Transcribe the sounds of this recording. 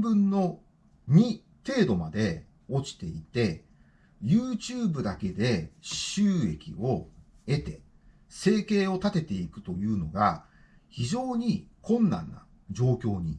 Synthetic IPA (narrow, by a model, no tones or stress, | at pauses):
bɯ̟̃nːo̞ | ɲ̟i | t̪e̞ːd̪o̞mad̪e̞ | o̞t͡ɕi̥t̪e̞it̪e̞ | jɯːt͡ɕɨːbɯ̟d̪ake̞d̪e̞ɕɨːe̞kʲḭo̞ | e̞t̪e̞ | se̞ːke̞ːo̞t̪at̪e̞t̪e̞ikɯ̟̥t̪o̞jɯ̟ːno̞ɡa | çiʑo̞ːɲ̟ikʰõ̞nːã̰nːa̰ | d͡ʑo̞ːkʲo̞ːɲ̟ḭ